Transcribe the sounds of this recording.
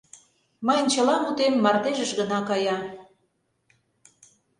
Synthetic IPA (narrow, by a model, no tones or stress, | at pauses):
məjənt͡ɕəlɑmut̪emːɑrt̪eʒəʃɣənɑkɑjɑ